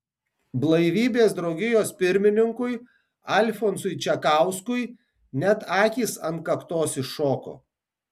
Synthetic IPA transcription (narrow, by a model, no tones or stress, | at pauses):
blˠɐɪʋʲiːbʲeːsd̪ɾɒʊɡʲɪjoːspʲɪɾʲmʲɪnʲɪŋkʊj | ɐlʲfɔnsʊjt͡ʃʲɛkɑˑʊskʊj | nʲɛt̪ɑːkʲiːsɐnt̪̚kɐkt̪oːsɪoːko̰ː